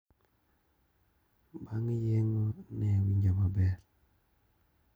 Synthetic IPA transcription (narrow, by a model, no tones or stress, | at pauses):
baŋijeŋɔnɛwiɲd͡ʒababɛɾ